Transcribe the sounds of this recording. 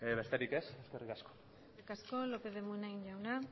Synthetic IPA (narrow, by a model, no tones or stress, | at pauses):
βe̞st̪e̞ɾike̞seske̞rikasko̥ | ikasko̞lopeðemuenaɣiɲʝawna